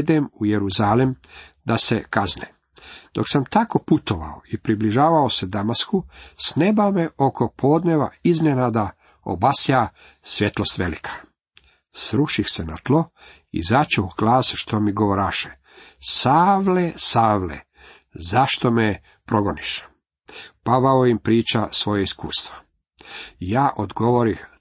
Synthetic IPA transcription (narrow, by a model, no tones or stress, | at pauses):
d̪emujeɾuzalimd̪asekazne | d̪̥oksamt̪ako̞put̪o̞ʋa̰oipɾibliʒaːʋaosed̪amaskusnebameo̞ko̞pʰo̞ːd̪neʋaiznenaːd̪a | o̰basja | sʋjet̪lo̞st̪ʋelikʰḁ | sɾuʃixsena̰t̪lo̞ | ḭzat͡ɕoɡ̥laːsʃt̪o̞miɡoʋoɾaːʃe̥ | saːʋlesaːʋlḛ | zaʃt̪o̞me | pɾo̞ɡo̞niʃ | paʋaojimpɾiːt͡ʃasʋo̞jeiskṵːst̪ʋo | jaːʔod̪ɡo̞ʋoɾix